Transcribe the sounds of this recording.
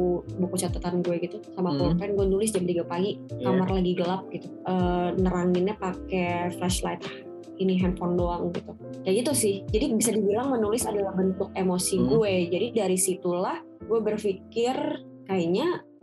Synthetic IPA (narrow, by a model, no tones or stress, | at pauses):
bukut͡ʃat̪ət̪anɡuɛɡit̪usamap̪ɔnt̪ɛnɡuɛnulɪs̬d͡ʒamt̪iɡapaɡikamarlaɡiɡəlap̚ɡit̪uʔəːnəɾaŋɪnapakɛflɛʃlat̪h | iniɦɛnfɔndoaŋɡit̪u | daɡit̪usɪhd͡ʒadibisadibilaŋmənulɪsadalahbənt̪ʊk̚emosiɡuɛd͡ʒadidaɾisit̪ulah | ɡuɛbərfikɪr | kaiɲa